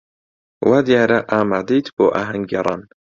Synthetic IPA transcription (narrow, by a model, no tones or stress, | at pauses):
wʔaːd̪ijaːɾɐʔaːmaːd̪ejt̪boːʔaːɦɐŋeɾˤɑ̰ːn